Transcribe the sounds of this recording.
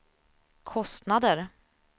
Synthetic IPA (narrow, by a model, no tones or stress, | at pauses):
kʰɔst̪nad̪əɾ